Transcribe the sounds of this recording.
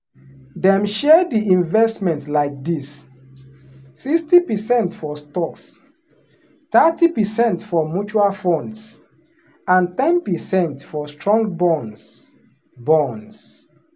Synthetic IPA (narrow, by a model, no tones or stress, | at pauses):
dɛ̃mʃɛdiĩnvɛstmɛ̃ntlaɪk̚dis | ikstipəsɛ̃ntfɔstɔks | tatipəsɛ̃ntfɔmjut͡ʃualfɔ̃nds | ãntɛ̃npəsɛ̃ntfɔstʰɹɔ̃ŋɡbɔ̃ns | bɔ̃ns